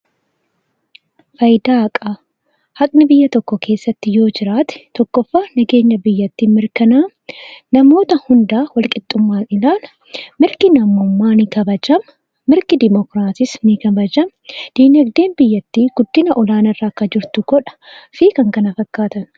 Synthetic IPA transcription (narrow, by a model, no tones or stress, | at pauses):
fɐjd̪aːɐkʼɐ | hɐkʼnɪbɪjːɐt̪ɔkːɔkʰe̞ːsːɐt̪ːɪjo̞ːd͡ʒɪɾaːt̪ɪ̥t̪ɔkːɔfːaːnɐɡe̞ːɲːɐbɪjːɐt̪ːiːmɪɾkɐnaː | nɐmo̞ːt̪ɐhʊnd̪aːwɐlkʼɪt̪ʼːʊmːaːnɪlaːlɐ | mɪɾkɪnɐmʊmːaːnɪkɐbɐd͡ʒɐmː | ɪɾkɪd̪ɪmɔkɾaːsɪsnɪkɐbɐd͡ʒɐm | d̪̥iːnɐɡd̪e̞ːnbɪjːɐt̪ːiːɡ̥ʊd̪ːɪnɐʔɔlaːnɐrːaːkːɐd͡ʒɪɾt̪ʊɡ̥ɔᶑɐ̥fiːkɐŋkɐnɐfɐkːaːt̪ɐn